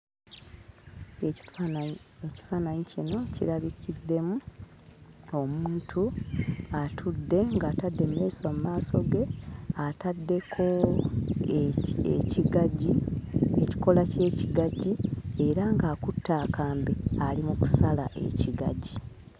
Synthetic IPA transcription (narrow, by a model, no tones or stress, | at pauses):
eci̥faːnaɲicino̞ciɾaβikʰid̪ːe̞mu | o̞muuːntʰu | atʰudːe̞ŋɡaːtadːe̞mːe̞ːsomumaːso̞ɡe̞atadːe̞kʰo̞ | ḛciɡaɟieci̥ko̞lace̞ːciɡaɟie̞ɾaŋɡaːkutːaːkaːmbealimuku̥salaʔe̞̰ciɡaɟi